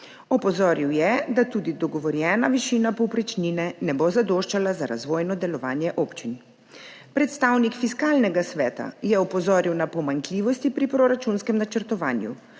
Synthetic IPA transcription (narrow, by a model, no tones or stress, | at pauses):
ɔpɔzɔːɾiwjɛd̪at̪uːd̪id̪ɔɡɔʋɔɾjɛːnaʋiʃiːnapɔwpɾɛt͡ʃninɛnɛbozad̪oʃt͡ʃalazaɾazʋoːjnɔd̪ɛlɔʋaːnjɛʔoːpt͡ʃin | pɾɛt̪st̪aːwnikfiskaːlnɛɡasʋɛːt̪a̰jɛɔpɔzɔːɾiwnapɔmaŋkliːʋɔst̪ipɾipɾɔɾat͡ʃunskɛmnat͡ʃəɾt̪ɔʋa̰ːnjṵ